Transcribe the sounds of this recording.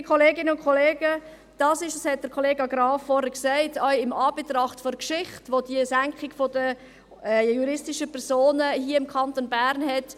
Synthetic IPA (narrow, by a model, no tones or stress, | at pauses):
kʰχɔleːɡɪnəʊnkʰɔleːɡə | d̥ɑːsɪʃəshɛt̚d̥əɾkʰɔleːɡɑɡɾɑːfːɔɾhəɾksæɪtʰœʏɪmɑːb̥etɾɑχtfɔɾkʃɪχtʋod̥iəsæŋkχɪɡfɔdə | juɾɪstɪʃəpʰɛɾsoːnəhiəɪmkʰɑntonbæɾnɦɛt